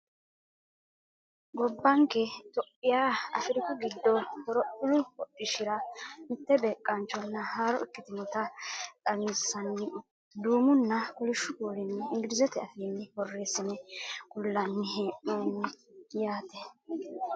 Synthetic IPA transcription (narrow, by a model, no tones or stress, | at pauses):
ɡɔbːɐŋkɛt̪ɔʔːɪjaːɐ̰fɪɾɪkɔɡɪd̪ːɔhɔɾɔʔʊlʊɔʔɪʃɪɾɐmɪt̪ːɛbe̞ːkʼːɐnt͡ʃːɔnːɐhaːɾɔɪkːɪt̪ɪmɔt̪ɐtʼɐnsːɐnːɪ | d̪uːmʊnːɐkɔlɪʃːʊkuːɾɪnːɪɪŋɡɪɾɪzɛt̪ɛɐfiːnːɪwɔrːeːsːɪnɛkʊlːɐnːɪɦeːʔuːnːɪjaːt̪ɛ